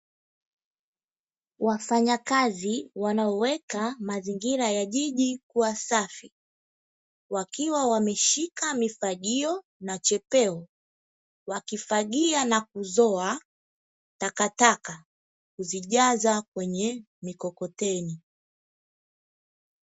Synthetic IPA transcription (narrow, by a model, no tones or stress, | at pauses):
wafaɲakaziwanaɔwɛkamaziŋɡiɾajaʄiʄikuasafi | wakiwawamɛʃikamifaɠiɔ | nat͡ʃɛpɛɔ | wakifaɠianak̚uzɔa | takataka | kuziʄazakwɛɲɛ | mikɔkɔtɛni